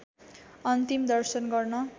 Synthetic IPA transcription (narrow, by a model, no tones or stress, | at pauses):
ʌnt̪imd̪ʌrsʌnɡʌrnʌ